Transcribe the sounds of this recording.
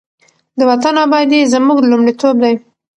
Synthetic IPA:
d̪əwat̪anɑbɑjd̪ezəmuɡlumɽit̪ob̚d̪aj

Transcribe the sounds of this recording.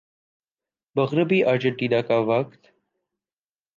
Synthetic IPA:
bɐɣɾəbiːʔaːd͡ʒəɳʈiːd̪aːkaːʋɐkt̪

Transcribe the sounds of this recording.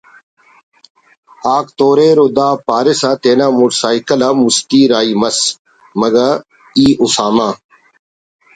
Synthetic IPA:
aːkt̪oːɾeːɾod̪aːpaːɾɪsat̪eːnãːmuːʈsaːikəlɐmust̪iːɾaːiːmɐs | mɐɡɐ | iːʔʊsaːmãː

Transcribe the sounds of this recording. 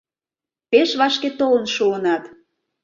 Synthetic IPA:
peʃβɑʃket̪olənʃuənɑt̪

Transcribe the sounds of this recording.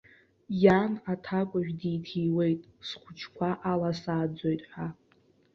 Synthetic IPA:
janatʰakʷʼʊʒᶣdijtʰijwe̞jtʼsχʷʊt͡ʃʰkʷʰaʔalasaːd͡zo̞jtʼħʷᶣa

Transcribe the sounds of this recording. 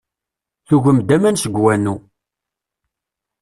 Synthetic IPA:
θuʝəmd̪æmænsəɡwænu

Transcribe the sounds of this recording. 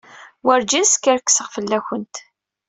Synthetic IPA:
wəɾd͡ʒiskəɾkːsəʁfəlːæçənt̪

